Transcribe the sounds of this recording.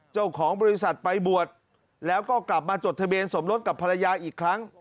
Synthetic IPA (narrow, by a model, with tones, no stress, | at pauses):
t͡ɕa˥˩wkʰɔː˩˦ŋbɔː˧ɾi˦˥sa˨˩t̪̚pa˧jbu˨˩ət̪̚ | lɛː˦˥wkɔː˥˩kla˨˩p̚maː˧t͡ɕo˨˩t̪ʰa˧biː˧ənso˩˦mɾo˦˥t̪̚ka˨˩pʰːa˧la˧jaː˧ʔiː˨˩kʰːɾa˦˥ŋ